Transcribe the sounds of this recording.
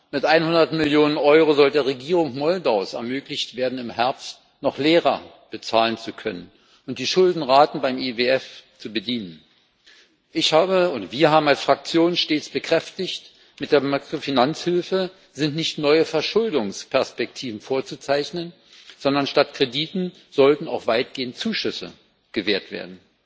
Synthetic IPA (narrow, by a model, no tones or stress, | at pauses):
mɪtʔaɪnhʊndɐtmɪljoːnənʔɔʏʁozɔldeːɐʁeɡiːʁʊŋkmɔldaʊsɛ̰ɐmøːklɪçtv̥eːɐdn̩ɪmhɛɐpst | nɔχleːʁɐ | b̥ət͡saːlənt͡sukʰœnən | ʔʊnt̚d̥iːʃʊldn̩ʁaːtn̩baɪmeveɛft͡subədiːnən | ʔɪçhaːbəʊdɐv̥iːɐɦaːbm̩alsfʁ̥ak̚t͡sjoːnʃteːt͡sb̥əkʁ̥ɛftɪçt | mɪt̚d̥eːɐmakʁofinant͡shɪlfə | zɪntnɪçtnɔʏəfɛɐʃʊldʊŋspʰɛɐspɛk̚tʰiːvn̩foːɐt͡sut͡saɪçnən | z̥ɔndɐnʃtatkʁ̥ediːtn̩ | z̥ɔltn̩aʊxv̥aɪt̚ɡ̥eːəntt͡suːʃʏsə̰ | ɡ̥əveːɐtv̥ḛːɐdn̩